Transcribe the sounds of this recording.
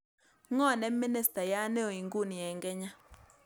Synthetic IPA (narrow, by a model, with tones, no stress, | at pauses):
ŋɔ˦˨nɛ˦mi˦ni˦sta˨ja˦ne˦o˨i˨ŋɡu˦˨ni˨jɛ˨ŋɡɛ˦ɲa˦